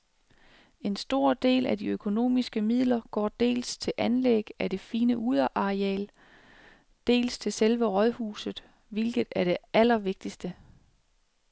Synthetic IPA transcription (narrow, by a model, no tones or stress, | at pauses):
e̝nsd̥o̝ɐ̰d̥e̝̰ːlæd̥iøkʰo̝no̝̰ːmisɡ̥əmið̰ˠlɐɡ̥ɒ̰ːd̥e̝̰ːlst͡sʰe̝lʔænleɡ̥æd̥e̝fiːnəʔuð̞ˠɐʔɑ̈ʁiɛ̰ːl | d̥e̝̰ːlst͡sʰe̝lselʋəʁɒ̽ðˠhṵːsð̩ˠ | ʋi̝lɡ̥ð̞̩ˠæɐɾ̥e̝ʔælɐʋe̝ɡ̥̚d̥isd̥ə